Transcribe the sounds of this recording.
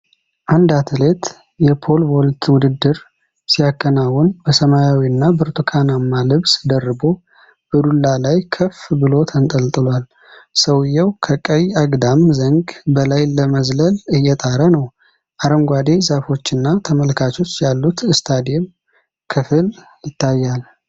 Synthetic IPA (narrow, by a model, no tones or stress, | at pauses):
ʔand̪at̪ʰɨle̞t̪ | jɛpʰo̞lbolt̪ʰwʊd̪ɨd̪ːɨɾ | sijakʰʼːənawʊnbəsəmajawiɨnːabəɾt̪ʰʼokʰanamːalɨβsd̪ərːɨbo̞ | b̥əd̪ulːalajkʰəfbɨlo̞t̪ʰənt̪ʼəlt̪ʼɨlwal | səwjɛwkʰəkʼəjaɡd̪amzəŋɡbəlajləməzləlɨjːɛt̪ʼaɾənəw | ʔaɾəmɡʷad̪e̞zafo̞t͡ʃːɨnːat̪ʰəməlkʰat͡ʃo̞t͡ʃːjalːut̪ɨst̪ʰad̪iɛm | kʰɨfɨl | jɪt̪ʰːajːal